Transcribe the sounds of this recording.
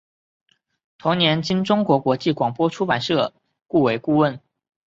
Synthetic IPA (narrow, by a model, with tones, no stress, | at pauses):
t̪ʰʊ˧˥ŋnjɛ˧˥nt͡ɕi˥nʈ͡ʂʊ˥ŋkwɔ˧˥kwɔ˧˥t͡ɕi˥˩kwɑ˨˩ŋpwɔ˥ʈ͡ʂʰu˥pa˨˩nʂɤ˥˩ | ku˥˩we˧˥ɪku˥˧wə˥˩n